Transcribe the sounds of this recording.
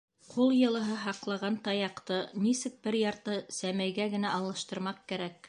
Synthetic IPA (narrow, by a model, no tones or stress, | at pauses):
qʰulˠjɤ̆lˠɤ̆ɦɤɦɑqlˠɑʁɑnt̪ɑjɑqt̪ɤnisɘk̚bɘɾjɑɾt̪ɤsæmæjɡæɡɘ̆næʔɑlˠːɤ̆ʃt̪ɤ̆ɾmɑq̚kæɾæk̚